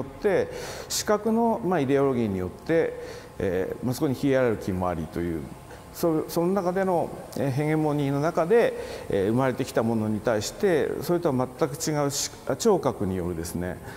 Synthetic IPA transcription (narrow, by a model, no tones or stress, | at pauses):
ot̪ːe̞ɕi̥kakɯ̟no̞maid̪e̞o̞ɾo̞ɡʲiːɲ̟ijo̞t̪ːe̞̰ | mɯsɨ̥ko̞ɲ̟içiaɾeɾɯ̟kʲimo̞a̰ɾʲḭt̪o̞jɯ̟̰ː | sosono̞nakad̪e̞no̞eɦẽ̞ŋẽmːõ̞ɲ̟ĩno̞nakad̪e̞̰ɯ̟maɾe̞t̪e̞kʲi̥t̪amo̞no̞ɲ̟it̪aiɕi̥t̪e̞so̞ɾet̪oβamat̪ːakɯ̟̥t͡ɕiɡaɯ̟ɕ | at͡ɕo̞ːkakɯ̟ɲ̟ijo̞̰ɾɯ̟d̪e̞sɨne̞̰